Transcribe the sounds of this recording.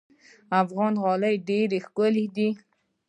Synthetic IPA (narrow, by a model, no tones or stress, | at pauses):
afɣɑnɣɑləjɖeɾexkʊlid̪i